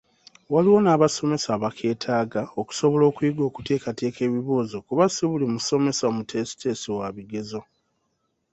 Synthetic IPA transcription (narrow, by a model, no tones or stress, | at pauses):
waliwo̞naːβaso̞me̞saːβakʰe̞ːtʰaːɡao̞ku̥so̞βo̞lo̞ːkuiɡo̞ːku̥te̞ːkate̞ːke̞ːβiβuːzokuβasiβulimuso̞me̞saomutʰe̞si̥te̞siwaβiɡe̞zo̞